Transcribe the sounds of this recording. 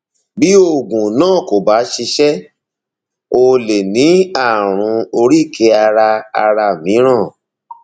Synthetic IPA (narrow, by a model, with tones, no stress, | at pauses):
bi˦o˦˨ɡũ˨nãː˦˨ko˨ba˨˦ʃi˧ʃɛ˦ | o˧le˨nĩ˨˦a˦˨ɾ̃ũ˧o˧ɾi˦˨kʰe˧˦a˧ɾa˧a˧ɾa˧mĩ˨˦ɾ̃ã˦˨